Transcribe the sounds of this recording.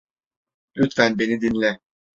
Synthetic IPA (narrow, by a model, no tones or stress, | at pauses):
yt̪fænbenid̪inlʲɛ